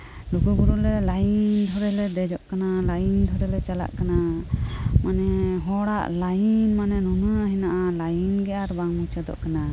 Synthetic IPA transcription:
lukuɡuɾulɛlajind̪ʱɔɾɛlɛd̪ɛd͡ʒɔʔkanalajind̪ʱɔɾɛlɛt͡ʃala̰ʔkana | manɛɦɔɽaʔlajinmanɛnunuaɦinaʔalajinɡɛʔaɾbaŋmut͡ʃɛd̪ɔ̰ʔkana

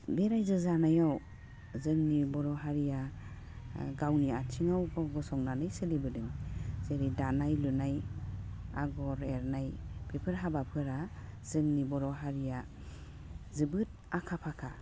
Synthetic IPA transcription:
beɾajzɯzanajaw | zɯŋnibɔɾɔɦaɾija | ɡawniatʰiŋawɡɔɡɔsɔŋnanɯjselibɯdɯŋz̥eɾidanajlɯnaj | a̰ɡɔɾeɾnajpʰepʰɯɾɦabapʰɯɾaz̥ɯŋnibɔɾɔɦaɾija | zɯbɯt̚akʰapʰakʰa

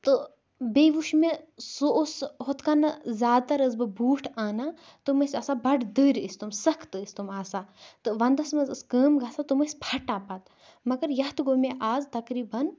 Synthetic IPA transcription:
t̪ɨ | beʋuʃmesoʔosɦot̪kanɐzʲaːd̪̚t̪ɐɾəzbɨbuːʈʰaːnaː | t̪ɨmɐsʲɐsabɐɖd̪əːɾʲist̪umsɐkʰt̪ɨist̪umaːsaːt̪ɨʋɐnd̪ɐsmɐzɨskəːmɡaːsat̪ɨmɐspʰɐʈaːpat̪ | mɐɡɐɾjɐht̪ɡomeʔaːzt̪ɐkɾiːbɐn

